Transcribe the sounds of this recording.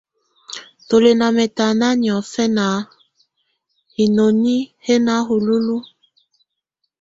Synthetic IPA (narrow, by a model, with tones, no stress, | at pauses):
to˨le˨na˨mɛ˨ta˨na˦ni˨ɔ˨fɛ˦na˨˦ | hi˨no˨ni˦he˦na˦ɦu˨lu˦lu˦